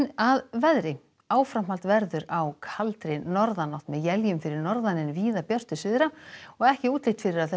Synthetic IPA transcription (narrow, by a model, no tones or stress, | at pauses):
naðvɛðɾɪ | aːwfɾam̥alt̪vɛɾðʏɾawkʰalt̪ɾɪnɔɾðanɔht̪mɛðjɛljʏmfɪɾɪɾnɔɾðanɪnviːðapjœr̥t̪ʏsɪðɾaɔɣɛhcɪuːt̪lɪht̪fɪɾɪɾaðθɛ